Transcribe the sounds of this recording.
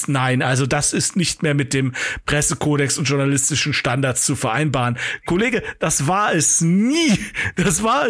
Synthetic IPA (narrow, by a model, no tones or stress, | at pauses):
naɪnʔalzodasɪstnɪçtmeːɐmɪt̚d̥eːmpʁ̥ɛsəkʰoːɾɛksʊntʒ̥ʊɐnalɪstɪʃn̩ʃtandaɐtt͡sst͡sufɛɐʔa̰ɪnbaːʁənkʰoleːɡəd̥asv̥aːɐɛsniːd̥asv̥aːɐɛ